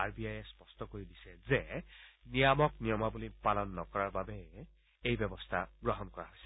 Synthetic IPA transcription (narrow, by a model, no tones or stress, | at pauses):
aɹbiajɛspɔstɔkoɹidisɛzenijamɔknijɔmabulipalɔnːɔkɔɹaɹbabɛ | ejbɛbɔstʰaɡɹɔɦɔnkɔɹa̰ɦojsɛ̥